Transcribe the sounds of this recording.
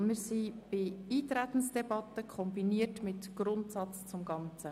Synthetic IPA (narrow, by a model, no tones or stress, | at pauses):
mɪɾsib̥eiːt̪ɾæt̪ən̩sd̥ɛbɑt̪ːəkʰχɔmbiniətmɪtɡ̥ɾʊntsɑt͡st͡sʊmɡɑnt͡sə